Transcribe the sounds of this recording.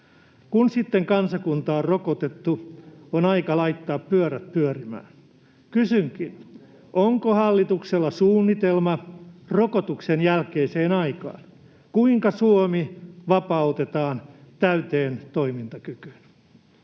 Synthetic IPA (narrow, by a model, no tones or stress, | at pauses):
kunsit̪ːeŋkɑnsɑkunt̪ɑːrrokot̪et̪ːuonɑikɑlɑit̪ːɑːppyøɾæt̪̚pyørimæ̰ːn | kysyŋkin | oŋkohɑlːit̪ukselːɑsuːnːit̪elmɑrokot̪uksenjælkeiseːnɑikɑ̰ːn | kuiŋkɑsuomiʋɑpɑut̪et̪ɑːnt̪æyt̪eːnt̪o̞imint̪ɑkyky̥n